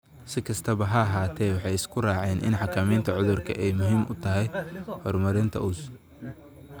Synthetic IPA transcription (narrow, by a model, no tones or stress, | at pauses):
sɪkʰɐst̪ʰɐβɐɦɐɐɦaːt̪ʰɛːwɑħɑjɪskʰʊraːʕɛːnʔɪ̰nħɑkʰɐmiːnt̪ʰɐʕʊðʊrkʰɐ̰ʔɛjmʊɦiːmʔʊt̪ʰɐɦɛjhɔːrmɐɾɪnt̪ʰɐ̰ʔʊs